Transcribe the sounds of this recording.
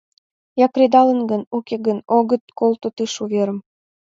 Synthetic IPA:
jɑkred̪ɑlə̆nɡənukeɡənoɣə̆t̪̚kolt̪ot̪ɨʃuβeɾə̆m

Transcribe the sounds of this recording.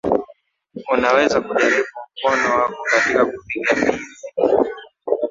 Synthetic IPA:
unawɛzakuʄaɾiɓum̩kɔnɔwakɔkatikakupikamizi

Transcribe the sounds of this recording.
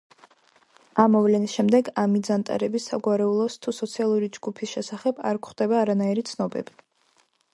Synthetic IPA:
amːɔvlɛnisʃɛmd̪ɛɡamid̪zant̪ʼa̰ɾɛbisaɡwaɾɛulˠɔst̪ʰusɔt̪sʰialˠuɾid͡ʒɡupʰisʃɛsaχɛba̰ɾkʰχd̪ɛbaːɾanaiɾit̪sʰnɔbɛ̰bi

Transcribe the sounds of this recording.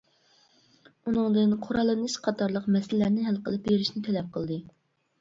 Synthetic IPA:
unɨŋd̪ɨnqʰʊɾɑlˠːɨnɨʃqʰɑt̪ʰɑɾlˠəqmɛsɪllːæɾnɪɦælˠqʰə̰lˠɨp̚beɾiʃnɪt̪ʰɛlɛp̚qʰəlˠd̪ɨ

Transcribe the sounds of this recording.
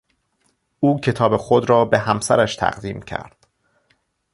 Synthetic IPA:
ʔuːcʰe̞t̪ʰɒːbe̞xod̪ɾɒːbe̞ɦæmsæɾæʃt̪ʰæ̰ʁd̪iːmcʰæ̰ɾd̪̥

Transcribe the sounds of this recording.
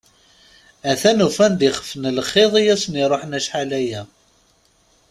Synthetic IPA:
æθænufænd̪iχə̥fnəlχeðˤijæsniɾˤoħnæʃħalæjæ

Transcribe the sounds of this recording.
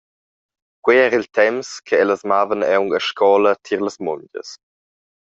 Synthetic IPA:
kweɛːɾiltʰɛmskʰəɛləsmaːvənɛwŋəʃkɔːlətʰiɾləsmɔɲɟə̰s

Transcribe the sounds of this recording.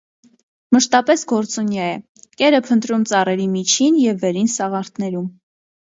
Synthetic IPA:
məʃt̪ɑpɛsɡɔɾt͡sunjɑjɛ | kɛɾəpʰənt̪ɾumt͡sɑrɛɾimit͡ʃʰinjɛvːɛɾinsɑʁɑɾt̪ʰnɛɾum

